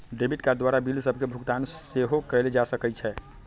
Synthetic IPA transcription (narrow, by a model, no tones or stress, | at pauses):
ɖebʱiʈkad̪ʋaɾabilsəbʱkebʱuɡt̪anseɦokɛled͡ʒasəkɛt͡ʃʰɛ